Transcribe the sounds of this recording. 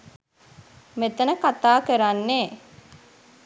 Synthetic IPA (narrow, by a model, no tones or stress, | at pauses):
met̪ənəkat̪aːkəɾanːeː